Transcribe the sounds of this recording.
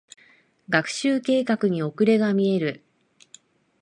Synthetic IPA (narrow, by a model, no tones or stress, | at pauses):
ɡakɯ̟̥ɕɨːke̞ːkakɯ̟ɲ̟io̞kɯ̟ɾe̞ɡamʲie̞ɾɯ̟